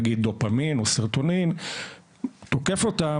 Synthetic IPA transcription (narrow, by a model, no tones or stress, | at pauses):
ɡid̪̚dopaminosiʁt̪onim | t̪o̞kefot̪a